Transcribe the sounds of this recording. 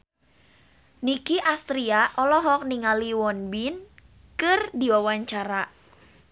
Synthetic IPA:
nikiʔast̪ɾiaʔɔlɔɦɔk̚niŋaliwɔnbin | kɨrdiwawaɲt͡ʃaɾa

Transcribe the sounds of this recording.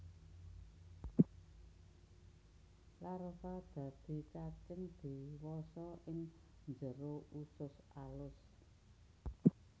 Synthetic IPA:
laɾəfad̪̥ä̤d̪̥i̤t͡ʃat͡ʃənd̪̥i̤wɔsɔʔɪŋ | nd͡ʒə̤ɾoʔusʊsʔalʊs

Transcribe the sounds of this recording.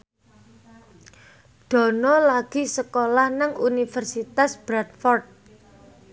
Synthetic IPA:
ɖ̪̥ɔ̤nɔlaɡ̥i̤səkolahnəŋunifərsit̪asb̥ɾat̪̚fɔrt̪̚

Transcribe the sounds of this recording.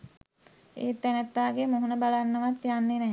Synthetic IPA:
ḛːt̪ːænət̪ːaːɡemoɦunəbalanːəʋat̪janːenɛː

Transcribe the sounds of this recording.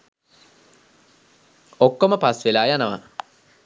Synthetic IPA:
okːoməpasʋelaːjanəʋa̰

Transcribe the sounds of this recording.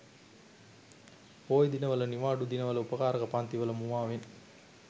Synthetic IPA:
oːjd̪inɐʋɐlɐniʋaːɖud̪inɐʋɐlɐupɐkaːɾɐɣɐpaːnt̪iʋɐlɐmuʋaːʋen

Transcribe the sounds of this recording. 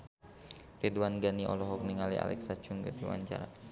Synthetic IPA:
red̪wanɡaniʔɔ̰lɔɦɔk̚niŋalia̰lɛ̰ksḁt͡ʃʊŋɡəd̪iwa̰ɲt͡ʃa̰ɾa

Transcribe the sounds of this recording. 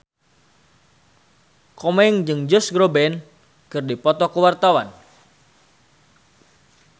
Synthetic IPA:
kɔmɛŋd͡ʒɨŋd͡ʒɔsɡɾobɛn | kɨrdipɔt̪ɔkəwart̪awa̰n

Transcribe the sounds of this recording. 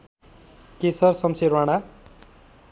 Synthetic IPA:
kesʌrsʌmsʰeɾwaɽ̃a

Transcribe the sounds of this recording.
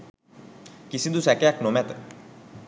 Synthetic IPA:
kisind̪usɛkeaknomɛt̪

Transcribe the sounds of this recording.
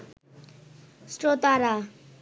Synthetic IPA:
sʈot̪aɾa

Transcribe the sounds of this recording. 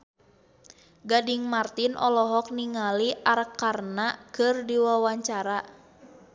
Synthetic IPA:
ɡadiŋmart̪inʔɔ̰lɔɦɔk̚niŋaliʔaɾəkːarnakɨrdiwawaɲt͡ʃaɾa

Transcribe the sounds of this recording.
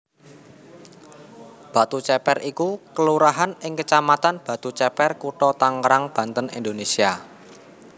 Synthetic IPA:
b̥a̤t̪ut͡ʃɛpɛrʔikukəluɾaɦanɪŋkət͡ʃamat̪anb̥a̤t̪ut͡ʃɛpɛrkuʈɔt̪aŋɾaŋb̥ä̤nt̪ənḭnd̪onesia

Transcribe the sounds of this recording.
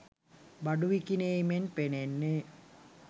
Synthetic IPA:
baɖuʋikineimenpenenːe

